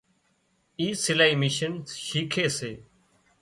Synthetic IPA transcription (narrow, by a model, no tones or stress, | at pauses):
iːsɪlaːiːmɪʃənʃiːkʰeːseː